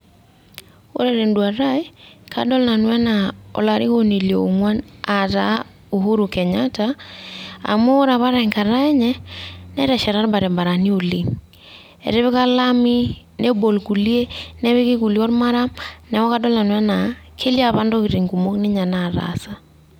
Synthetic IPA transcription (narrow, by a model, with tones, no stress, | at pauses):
o̰˦ɾɛɾe˨ndwa˨ɾa˦e˦ka̰˦dɔ˦lna˨nwa˦na˨ɔ̰˨la˨ɾi˦ɣo˨ni˨ljɔ˨oŋwa˦na˨ɾa˦ | o˨ɦo˦ɾo˨kɛ˨ɲa˦ta | a̰˨moː˦ɾa˨βa˦ɾa˨i˨ŋka˨ɾa˦ɛ˦ɲɛ˦nɛ˦ɾɛ˨ʃa˨ɾa˦ɾba˨ɾe˨mba˨ɾa˨ni˦o˨le˨ | ɛ̰˨ɾe˦βe˦ka˦la˦mi˦ | nʔe˦bo˨lku˨lie˦nɛ˦βe˦ke˦ku˨li˦ɔ˦ɾma˦ɾa˦mnɛ˨wɔ˦ka˦dɔ˦lna˨nwɛ˦na˨kʰe˦li˦a˦βa˦ndo˦ki˨ɾe˨ŋku˨mo˦kne˦ɲa˨na˨ɾa̰sa˦